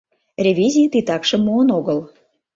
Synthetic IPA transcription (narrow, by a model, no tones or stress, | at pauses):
rʲevʲizʲit̪it̪ɑkʃə̆mːoənoɣəl